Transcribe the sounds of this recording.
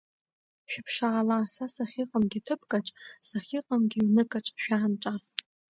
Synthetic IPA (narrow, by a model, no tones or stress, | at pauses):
pʃᶣɪpʰʂaalasasaχʲiqʼamɡʲitʰɨpʰkʼaʈ͡ʂʼsaχʲiqʼamɡʲiwnɨkʼaʈ͡ʂʷʼʃᶣaːnʈ͡ʂʷʼaz